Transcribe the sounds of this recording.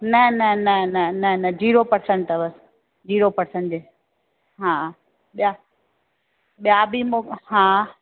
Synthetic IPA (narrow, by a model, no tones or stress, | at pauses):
nɐnɐnɐnɐnɐnɐd͡ʑiːɾopɐɾsɛ̃ɳʈ̪əʋəs | d͡ʑiːɾopɐɾsẽɳʈd͡ʑeː | ɦãː | ɓija | ɓijabimoɦãː